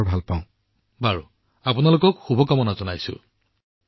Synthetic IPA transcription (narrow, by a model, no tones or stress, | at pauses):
ɹbʱalpãʊ̃ | baɹṵ | apunalokɔkxubʱɔkamɔnazɔnajsʊ̰